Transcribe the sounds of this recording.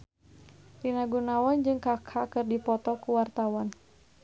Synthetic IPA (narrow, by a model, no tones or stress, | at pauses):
rinaɡunawand͡ʒɨŋkakʰakɨrdipɔt̪ɔkuwart̪awan